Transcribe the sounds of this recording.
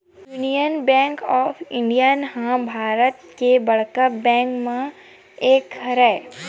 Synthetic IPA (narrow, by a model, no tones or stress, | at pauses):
junijənbɛ̃ːŋkɔːfʰɪ̃ɳɖijənɦãbʱaːɾət̪kebɐɽkəbɛ̃ːŋkmẽ | eːkəɾɛː